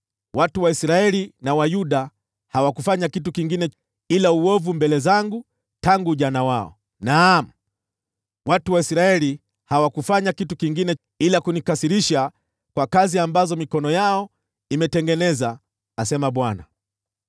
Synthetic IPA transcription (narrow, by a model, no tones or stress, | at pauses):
watuwaisɾaɛlinawajuɗa | hawakufaɲakit̬ukiŋɡinɛ | ilauɔvumbɛlɛzaŋɡu | taŋɡuʄanawaɔ̰ | nam̩ | watuwaisɾaɛli | hawakufaɲakitukiŋɡinɛ | ilakunikasiɾiʃa | kwakaziambazɔmikɔnɔjaɔ | imɛtɛŋɡɛnɛzaː | sɛmaɓwana̰